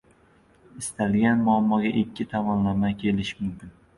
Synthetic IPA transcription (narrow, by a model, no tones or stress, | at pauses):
ɪst̪ʰalɡʲanmʊamːɒɡʲaʔɪkʲːɪt̪ʰamɒnlamakʲʰe̞lɪʃmʊmkʲɪn